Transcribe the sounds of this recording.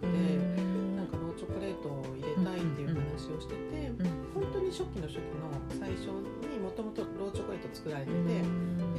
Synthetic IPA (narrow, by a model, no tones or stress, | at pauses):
ɯ̟d̪e̞nãŋkaɾo̞ːt͡ɕo̞kɯ̟ɾe̞ːt̪o̞ | iɾe̞t̪ait̪ːe̞jɯ̟hhanaɕio̞ɕi̥t̪e̞t̪e̞hõ̞nt̪o̞ːɲ̟iɕo̞kʲːino̞ɕo̞kɯ̟no̞saiɕo̞ | ɲ̟imo̞t̪o̞mo̞t̪o̞ɾo̞ːt͡ɕo̞kɯ̟ɾe̞ːt̪ot͡sɨ̥kɯ̟ɾaɾe̞t̪ed̪e̞